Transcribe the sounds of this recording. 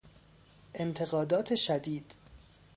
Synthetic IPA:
ʔe̞nt̪ʰe̞ɣɒːd̪ɒːt̪ʰe̞ʃæd̪iːd̪̥

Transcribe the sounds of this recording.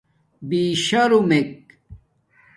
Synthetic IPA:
biːɕɐɾumek̚

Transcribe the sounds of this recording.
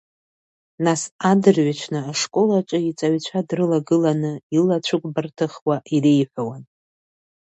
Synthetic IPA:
nasadɨrɥat͡ʃʷʰnɨaʂkʼo̞lat͡ʃʷʼɨit͡sʼaɥt͡ɕʷʰadrɨlaɡɨlanɨilat͡ɕʷʰɨkʷʼbartʰɨχwaʔirejħʷawan

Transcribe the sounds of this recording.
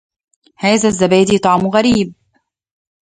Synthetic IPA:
haːðazːabaːd̪it̪ˤɑʕmʊɣaɾiːb̚

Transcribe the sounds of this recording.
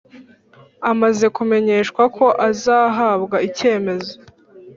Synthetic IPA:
amaze̞kume̞ɲe̞ːʃkwakʰo̞ʔazaːɦabɡaice̞ːme̞zo̞

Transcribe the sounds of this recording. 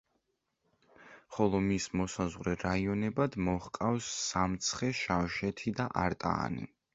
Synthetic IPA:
χɔlˠɔmismɔsazʁɾɛɾaiɔnɛbad̪mɔhkʼafsːamt̪sʰχɛʃafʃɛt̪ʰid̪aʔaɾt̪ʼa̰ːnḭ

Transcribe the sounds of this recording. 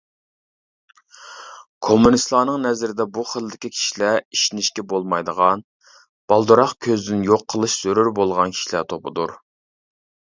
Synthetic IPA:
kʰomːunist̪lˠɑːnɨŋnɛzɾɪd̪ɛbuχəlˠːɪkʲikʲʰi̥ʃilæiʃinɪʃkʲɛbolˠmɑjd̪əʁɑn | b̥ɑlˠd̪uɾɑχkʲʰøzd̪ɪnjoqʰːəlˠɨʃz̥øɾyɾbolˠʁɑnkʲʰi̥ʃilæt̪ʰopʰʊ̰d̪uɾ

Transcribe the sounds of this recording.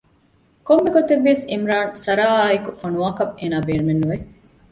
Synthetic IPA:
komːeɡot̪eʋːeːsimɾaːnsɐɾaːikufɐnuʋaːkɐbeːnaːbeːɾumenːuʋe

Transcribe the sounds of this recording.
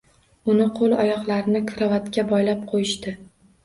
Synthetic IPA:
ʊnɪqʰolˠɒjɒqlˠaɾnɪkʰʊɾavat̪kʲabɒjlap̚qʰojɪʃt̪ɪ

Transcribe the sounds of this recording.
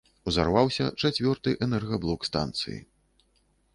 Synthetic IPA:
uza̰rvawsʲɐ̰t͡ʂat͡sʲvʲɔrt̪ɨʔɛnɛrɣɐblˠɔkst̪a̰nt̪sɨ̰jḭ

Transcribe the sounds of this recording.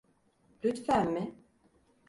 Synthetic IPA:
lyt̪fæmmɪ

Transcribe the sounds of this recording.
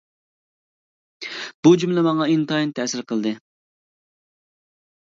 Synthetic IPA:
b̥ud͡ʒumlɛmɑŋɑint̪ɑint̪ʰɛsɪɾqʰəlˠd̪ɨ

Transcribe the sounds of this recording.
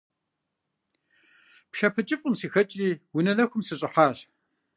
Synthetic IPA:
pʃɐpʰɨt͡ʃʼɪfʼʊmsiːxɐt͡ʃʼiːwʊnɐlɐxʷʊmsɨɕʼɪħɑːɕ

